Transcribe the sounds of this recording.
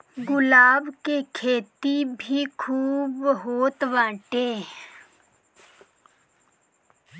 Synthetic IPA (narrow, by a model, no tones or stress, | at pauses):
ɡʊlaːbkekʰeːt̪ibʱikʰuːbɦoːt̪ʋãːʈeː